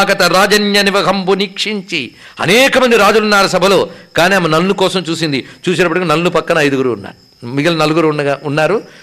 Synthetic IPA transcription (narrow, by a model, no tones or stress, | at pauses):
kɐt̪ɐɾaːd͡ʒɐnjɐniʋɐɡʱɐmpunikʂiɲt͡ʃi | ɐ̰nɛːkɐmɐnd̪iɾaːd͡ʒulunːaːɾɐsɐbʱɐlo̞ːkaːniːɐmɐnɐlːukɔːsɐmt͡ʃuːsind̪it͡ʃuːs̬inɐpɐʈikinɐlːupɐkːɐnɐɐjd̪uɡuɾuːnːa̰ːɾu | miɡɐlɐnɐluɡuɾunːɐaunːaːɾu